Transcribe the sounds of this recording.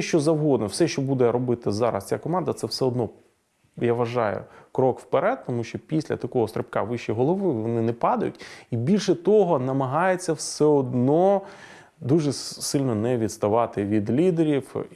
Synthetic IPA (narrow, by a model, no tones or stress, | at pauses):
ʃt͡ʃɔzɐwɦɔd̪nɔwsɛʃt͡ʃɔbud̪ɛɾɔbɪt̪ɪzɑ̰ɾɐ̰st͡sʲakɔmɑnd̪ɐt̪sɛwsɛɔd̪nɔ | jaʋɐʒɑjʊ̰kɾɔkwpeɾɛd̪̚t̪ɔmuʃt͡ʃɔpʲisʲlʲɐ̰t̪ɐkɔɦɔst̪ɾʲep̚kɑ̰ʋɪʃijɦɔlˠɔʋɪʋɔnɪnɛpɑd̪ɐjʊtʲibʲilʲʃɛt̪ɔɦɔnɐmɐɦɑjet͡sʲːɐwsɛɔd̪nɔ | d̪uʐɛsɪlʲnɔnɛʋʲid̪st̪ɐʋɑt̪ɪʋʲid̪lʲid̪eɾʲiw